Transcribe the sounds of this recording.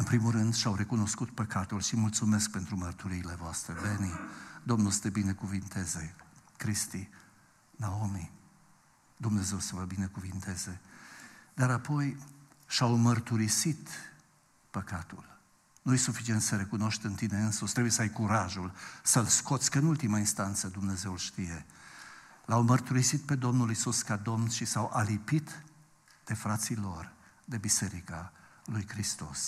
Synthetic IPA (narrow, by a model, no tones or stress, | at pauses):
ɨnpɾimulrɨnd̪ʃawɾe̞kuno̞skut̪̚pəkat̪ulʃimult̪sume̞sk̚pe̞nt̪ɾumərt̪uɾiːle̞voast̪ɾe̞benid̪o̞mnulsə̥t̪ebine̞kuvint̪e̞ze̞kɾist̪i | naomi | d̪umne̞ze̞wsəvəbinekuvint̪ʰe̞ze̞ | d̪aɾapo̞jʃawmərt̪uɾisit̪ | pəkat̪ul | nujesufit͡ʃient̪səɾe̞kuno̞ʃt̪ɨnt̪ine̞ɨnsust̪ɾebujesəajkuɾaʒulsəlsko̞t̪sʲkəɨnult̪imainst̪ant̪səd̪umne̞ze̞ulʃt̪ije̞ | lawmərt̪uɾisit̪̚pe̞d̪o̞mnulisuskad̪o̞mnʃisawʔalipit̪ | d̪̥e̞fɾat̪silo̞r | d̪e̞bise̞ɾikalujkɾist̪o̞̰s